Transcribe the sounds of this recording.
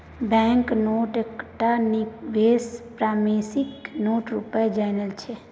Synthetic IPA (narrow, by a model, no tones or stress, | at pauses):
bɛ̃ŋknoːʈekʈanikʋespɾamesiknoʈɾṵpəed͡ʒanəlt͡ʃʰe